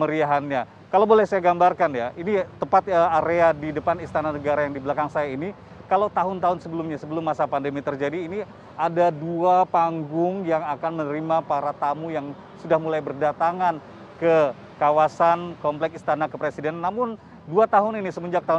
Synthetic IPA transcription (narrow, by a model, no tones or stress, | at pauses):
məɾiaɦanɲa | kalawbolɛhsajaɡambarkanjaʔinit̪əpat̪̚əaɾeadidəpanist̪ananəɡaɾajaŋdibəlakaŋsajaini | kalowt̪aɦʊnt̪aɦʊnsəbəlumɲasəbəlʊmːasapandəmit̪ərd͡ʒadiːni | adaduapaŋɡʊŋjaŋakanmənəɾimapaɾat̪amujaŋ | sudahmulajbərdat̪aŋan | kə | kawasankɔmplɛkist̪anakəpɾesidɛnanːamʊn | duat̪aɦʊninisəməɲd͡ʒak̚t̪aɦʊ